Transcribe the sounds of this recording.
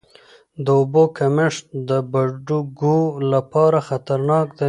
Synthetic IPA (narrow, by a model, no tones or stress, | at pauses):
d̪əʊbokamɪʂd̪əbaɖuɡulapɑɾaxat̪aɾnɑkd̪ə